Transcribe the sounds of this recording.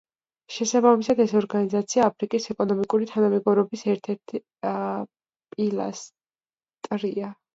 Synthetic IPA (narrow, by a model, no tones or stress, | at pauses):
ʃɛsabamisad̪ɛsɔɾɡanizat̪sʰiaːpʰɾikʼisɛkʼɔnɔmikʼuɾit̪ʰanamɛɡɔɾɔbisɛɾt̪ʰɛɾt̪ʰ | pʼilˠa̰s | t̪ʼɾia